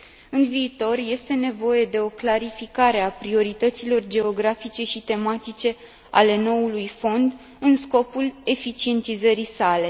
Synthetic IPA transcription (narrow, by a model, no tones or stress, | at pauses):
ɨnviːt̪o̞rje̞st̪e̞ne̞vo̞je̞d̪e̞o̞klaɾifikaɾe̞apɾio̞ɾit̪ət̪silo̞rd͡ʒe̞o̞ɡɾafit͡ʃe̞ʃit̪e̞mat̪it͡ʃe̞ | a̰le̞no̞ulujfo̞nd̪ | ɨnsko̞pule̞fit͡ʃie̞nt̪izəɾisale̞